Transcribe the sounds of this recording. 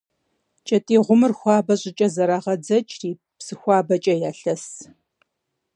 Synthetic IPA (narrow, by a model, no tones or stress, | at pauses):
t͡ʃʼɐtʼiːʁʷʊmɨrxʷɑːbɐɕʼɪt͡ʃʼɐzɐɾaʁɐd͡zɐt͡ʃʼriː | psɨxʷɑːbɐt͡ʃʼɐjaːɬɐs